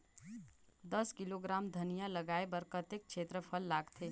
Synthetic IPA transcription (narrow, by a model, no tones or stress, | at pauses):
d̪ɐskɪloɡɾaːmd̪ʱɐnijalɐɡaːebɐɾkət̪ek̚ʃʰeːt̪ɾəpʰəlːaːɡt̪ʰeː